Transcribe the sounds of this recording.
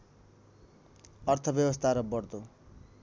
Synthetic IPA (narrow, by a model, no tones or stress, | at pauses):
ʌrt̪ʰʌbjʌbʌst̪ʰaɾʌbʌrd̪o